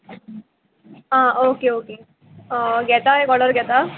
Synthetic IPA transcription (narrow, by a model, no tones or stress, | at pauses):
ãʔokeoke | ɡʱɛt̪aekɔɽəɾɡʱɛt̪a